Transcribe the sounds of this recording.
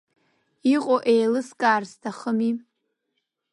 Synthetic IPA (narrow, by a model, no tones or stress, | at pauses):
iqʷʼoʔejlɨskʼaːrstʰaχəmi